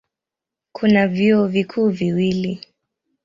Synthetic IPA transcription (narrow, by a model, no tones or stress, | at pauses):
kʰunavjiɔvikʰuːviwili